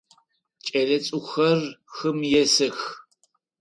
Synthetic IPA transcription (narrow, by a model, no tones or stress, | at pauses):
t͡ʃʼɐlɐt͡sʼʊxɐrxɨmjɛsɨx